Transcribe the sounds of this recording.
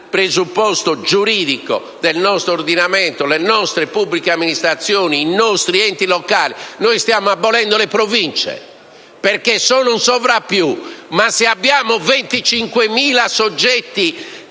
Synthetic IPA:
pɾezupːɔst̪od͡ʒuɾiːðiko̰ | d̪ɛlnɔst̪ɾoɾd̪inamɛnt̪olɛnɔst̪ɾepubːlikeamːinist̪ɾat̪sːjɔːniːnːɔst̪ɾiɛnt̪ilɔkaːlinoːjst̪jaːmoabːɔlɛnd̪olɛpɾovint͡ʃɛ̰ | pɛɾkesɔːnunsɔvɾapːjumaseabːjaːmovent̪it͡ʃiŋkwemiːlasod͡ʒːɛt̪ːi

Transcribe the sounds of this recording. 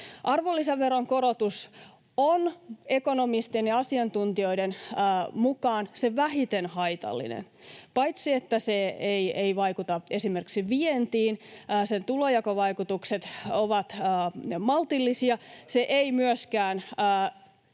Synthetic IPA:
ʔɑrʋolːiseːeroŋkoɾot̪us | one̞konomist̪enjɑɑsiɑnt̪unt̪io̞idenːmukɑːnseʋæɦit̪enhɑjt̪ɑ̰lːḭnḛn | pɑjt̪siet̪ːæseejeiʋɑikut̪ɑe̞sime̞rksiʋient̪iːnːsent̪ulojɑkɑʋɑikut̪ukset̪oʋɑt̪ːmɑlt̪ilːisiɑseʔeimyøskæːnː

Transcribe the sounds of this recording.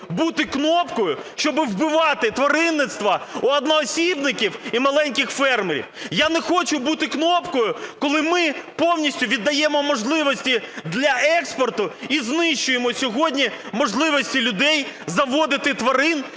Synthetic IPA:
but̪ɪknɔpkɔjʊʃt͡ʃɔbɪwbɪʋɑt̪ɪt̪ʋɐɾɪnːɪt̪st̪ʋɐuɐd̪nɔːsʲibnɪkʲiwimɐlˠɛnʲkʲɪxfɛrmeɾʲḭwjanɛxɔt͡ʃʊbut̪ɪknɔpkɔjʊkɔlˠɪmɪpɔwnʲisʲtʲʊʋʲid̪ːɐjɛmɔmɔʒlˠɪʋɔsʲtʲid̪lʲɐɛkspɔrt̪ʊiznɪʃt͡ʃʊjemɔsʲɔɦɔdʲnʲimɔʒlˠɪʋɔsʲtʲilʲʊd̪ɛjzɐʋɔd̪ɪt̪ɪt̪ʋɐɾɪn

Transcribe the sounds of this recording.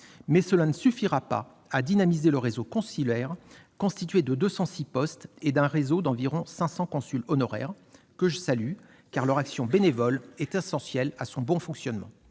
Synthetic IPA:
mɛsəlanəsyfiʁapa̰ | ad̪inamizeləʁezokɔ̃silɛʁkɔ̃st̪it̪ɥed̪əd̪øsɑ̃sipɔst̪ed̪ɛ̃ʁezod̪ɑ̃viʁɔ̃sɛ̃sɑ̃kɔ̃sylɔnɔʁɛ̰ʁ | kəʒəsaly | kaʁlœʁaksjɔ̃benevɔlɛt̪ɛsɑ̃sjɛlasɔ̃bɔ̃fɔ̃ksjɔnmɑ̰̃

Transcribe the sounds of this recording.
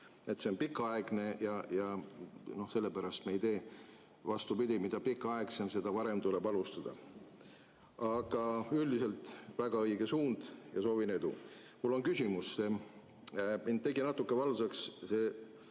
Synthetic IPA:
e̞t̪se̞o̞npikːˑɑɑeɡ̥ne̞jɑjɑno̞hse̞lːepæɾɑst̪meejt̪e̞ː | vɑst̪upid̪ʲimid̪̥ɑpikːˑɑɑeksense̞d̪̥ɑvɑɾe̞mt̪ule̞bɑlust̪ɑd̪̥ɑ̰ | ɑɡ̥ɑyld̪ise̞lt̪ˑvæɡ̥ɑɤjɡ̥e̞suːnd̪̥jɑso̞ːvine̞d̪ṵ | mulːo̞nkysʲimusːe | mind̪̚e̞ɡinɑt̪ːukːe̞vɑlsɑksse

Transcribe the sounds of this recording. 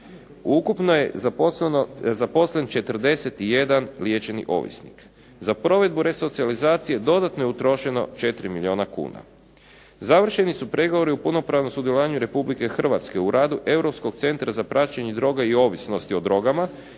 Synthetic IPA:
ukupnoje | zapo̞slent͡ʃe̞t̪r̩d̪e̞se̞t̪ije̞d̪anlije̞t͡ʃe̞nḭʔo̞̰ːʋḭsnḭk | zapɾo̞ʋe̞d̪̚buɾe̞so̞t̪sializaːt̪sije̞d̪o̞d̪at̪no̞jeut̪ɾo̞ʃe̞no̞̰t͡ʃe̞t̪ɾimilʲio̞ːnakṵːna̰ | zaʋr̩ʃe̞nisupɾe̞ɡoʋo̞ɾiupuno̞pɾaːʋnomsud̪jeloʋaːɲuɾe̞publike̞xr̩ʋat̪ske̞uɾʔaːd̪uʔe̞wɾo̞psko̞kt̪se̞nt̪ɾazapɾat͡ʃeɲed̪ɾo̞ːɡaio̞ːʋisno̞st̪io̞d̪ɾo̞ɡama

